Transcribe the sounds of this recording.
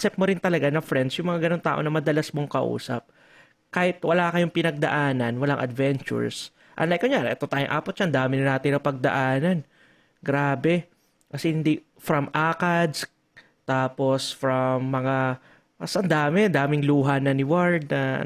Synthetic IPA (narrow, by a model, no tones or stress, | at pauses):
sɛp̚moɾɪnt̪ɐlɐɡanɐfɾɛnd̪sjʊŋmɐŋaɡɐno̞ŋt̪a̰ːʔo̞̰nɐmɐd̪ɐlasmoŋkɐʔṵːsɐ̰p̚ | kaːhɪt̪̚wɐlaːkɐjʊŋpɪnɐɡ̚d̪ɐ̰ʔaːnɐnwɐlaŋʔɐ̰d̪vɛnt͡ʃʊ̰ɹs | ʔɐ̰nlajkonɲaɾʔɛt̪ot̪aːjo̰ŋʔa̰ːpot̪t͡ʃaʔɐnd̪aːmɪnɪnaːt̪ɪnɐpɐɡ̚d̪ɐ̰ʔaːnɐn | ɡɾaːbɛ | kɐsɛhɪnd̪i | fɾɐmʔaːkɐd̪s | t̪aːposfɾɐmːɐŋa | ɐsʔɐnd̪aːmɛnd̪aːmɪŋluːɦɐnɐnɪwaɹd̪̚nɐ̰